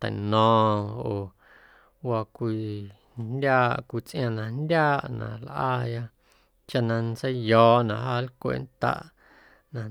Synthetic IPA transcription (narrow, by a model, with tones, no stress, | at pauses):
t̪a̰˨nɔ̃ː˨˧oː˨ | wa˧kʷi˧˨ | ndʲjaː˦ʔkʷi˨t͡sʔj̃ã˧nã˧ndʲjaː˦ʔnã̰˨lʔaː˧ja˦ | t͡ʃa˧nã˧nt͡sə˦jjɔː˨nã˧˨ɦaː˦˧˦lkʷḛ˨nt̪a̰˧ʔ | nã˧